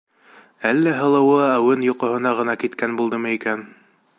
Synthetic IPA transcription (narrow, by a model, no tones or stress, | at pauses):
ælːæɦɤ̆lˠɤ̆wɤæwɘnjŏqŏɦhɤ̆nɑʁɤ̆nɑkit̪kænbulˠd̪ɤmɤikæn